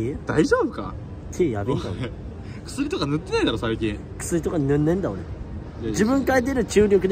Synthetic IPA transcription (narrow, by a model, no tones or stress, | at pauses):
ed̪̥aiʑoːbɯka̰ | t̪ʰejabend̪ao | kɯ̥sɨɾʲit̪okanɯ̟t̪ːe̞naid̪aɾo̞saikʲĩ | kɯ̟̥sɨɾʲit̪o̞kaɲnɯ̃nːẽ̞nd̪aoɾe | d͡ʑibɯ̟̃ŋkait̪̬eɾɯ̟t͡ɕɨːɾʲo̞k̬ɯ̟d̪